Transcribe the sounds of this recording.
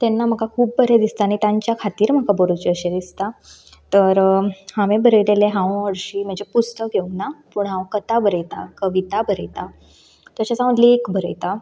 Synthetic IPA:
t̪enːam̤əkakʰuːb̚bəɾed̪ist̪anit̪aɲt͡ɕjakʰat̪iːɾm̤əkabəɾot͡ɕəɕed̪ist̪a | t̪əɾhãʋẽbʱəɾəjleleɦãʋʋəɾɕiːm̤əɳd͡ʑepust̪əkjeunapuːɳɦãwkət̪abʱəɾəjt̪a̰kəʋit̪abəɾəjt̪a | t̪jat͡ɕasãʋəd̪liekbʱəɾə̰jt̪a

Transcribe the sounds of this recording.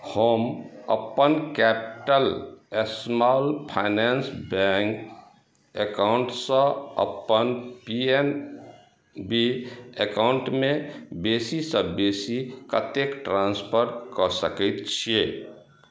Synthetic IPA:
həmə̰pːənkɛpi̥ʈəlesmalpʰajnensbɛŋk | ekawɳʈsə̃ə̰pːənpien | biekauɳʈmebesisə̃besikət̪ekʈɾãnspʰəɾkɔsəkɛt̪t͡ʃʰie

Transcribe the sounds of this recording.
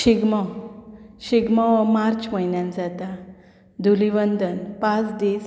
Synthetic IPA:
ɕiɡmawɕiɡmaʋmaɾt͡ɕməjnjãnd͡zat̪a | d̪ʱuliʋənd̪ənpãt͡sd̪is

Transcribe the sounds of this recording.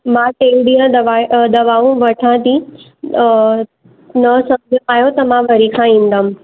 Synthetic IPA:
mãʈeːlɖijãʋad̪ɐʋaːʋũʋɐʈʰãt̪ĩ | nɐsɐmd͡ʑʱaːɦjot̪ɐmãʋɐɾikʰãĩːn̆d̪əm̆

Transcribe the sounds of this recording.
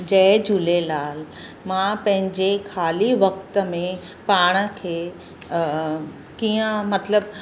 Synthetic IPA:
d͡ʑɛːd͡ʑulelaːl | mãpɐ̃ɦɪ̃ɲd͡ʑekʰaːliʋɐk̚t̪əmẽ | paːɽ̃əkʰeː | kiːə̃mɐt̪ləb

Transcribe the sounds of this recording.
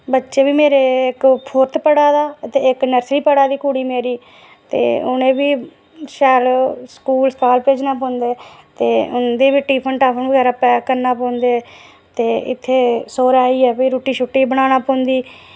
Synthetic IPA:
bətːʃeːbiːmeːɾeːɪkpʰoɾt̪pəɽaːd̪aːət̪eːɪknəɾsliːpəɽaːd̪iːkuːɽiːmeːɾiː | t̪ḛːʊnẽːbiː | ʃɛːlskuːlskaːlpeːd͡ʒnaːpɔ̃ːnd̪eːt̪eːʊ̰nd̪eːbiːʈiːpʰəɳʈaːpʰənbəɡɛːɾaːpɛːkəɾnaːpɔ̃ːʊnd̪eː | t̪eːɪ̰t̪ʰːeːsoːɾaːiːɛːpiːɾoːʈiːʃʰʊʈːiːbəɽ̃aːñaːpɔ̃ːʊnd̪iː

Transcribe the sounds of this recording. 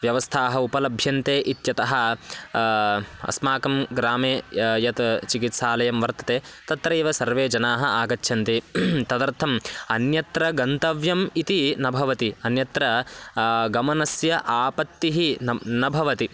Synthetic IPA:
ʋjɐʋɐst̪ʰaːɦɐupɐlɐbʱjɐnt̪eːʔit̪jɐt̪ɐɦɐ̆ | ɐ̰smaːkɐmɡɾaːmeːjɐt̪t͡ʃikit̪saːlɐjɐmʋɐɾt̪ɐ̥t̪eːt̪ɐt̪ɾɐeːʋɐsɐɾʋeːd͡ʒɐnaːɦɐaːɡɐt͡ʃːʰɐnt̪it̪ɐd̪ɐɾt̪ʰɐmɐnjɐt̪ɾɐɡɐnt̪ɐʋjɐmit̪inɐbʱɐʋɐt̪iɐnjɐt̪ɾɐ | ɡɐmɐnɐsjɐʔaːpɐt̪ːiɦinɐbʱɐʋɐt̪i

